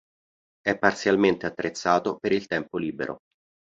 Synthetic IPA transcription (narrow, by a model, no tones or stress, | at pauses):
ɛpːart̪sjalment̪eat̪ːɾet̪sːaːt̪opeɾilt̪ɛmpoliːbḛɾʔo̰